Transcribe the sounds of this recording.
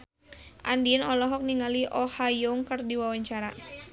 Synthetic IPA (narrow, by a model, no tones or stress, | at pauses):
ʔa̰ndinɔlɔɦɔk̚niŋaliʔɔhajɔŋkərdiwawaɲt͡ʃaɾa